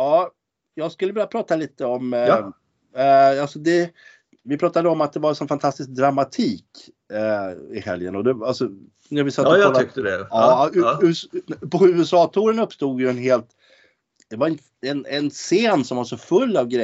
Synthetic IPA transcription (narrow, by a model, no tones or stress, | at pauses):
ɑː | jɑːɡskɵlːəvɪljapʰɾɑːt̪aliːt̪əɔm | alsɔd̪ɛ | vɪpʰɾɑːt̪ad̪əɔmat̪̚d̪ɛvaɾɛsɔnfant̪ʰast̪ɪsk̚d̪ɾamːat̪ʰiːk | ɪhɛ̰ljə̰nɔd̪ɛalsɔ | næɾvɪsat̪ːɔlʏkt̪əd̪ɛɑːʉːpʰɔʉ̟ːɛsɑːt̪ʰuːɾənɵpːst̪uːd̪jɵɛnɦeːlt̪ | d̪̥ɛvaɾɪ | ɛnɛnseːnsɔmvaʂɔfɵlːavɡɾɛ